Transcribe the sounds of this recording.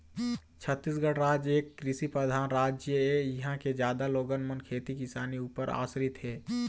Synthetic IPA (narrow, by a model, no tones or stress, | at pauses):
t͡ʃʰət̪ːis̬ɡəɽɾaːd͡ʒeːkːɾɪsipɾəd̪ʱaːnɾaːd͡ʒjəejɐɦãked͡ʒjaːd̪aloːɡənmənkʰeːt̪ikisaːniuːpəɾa̰ːsɾɪt̪ɦɛː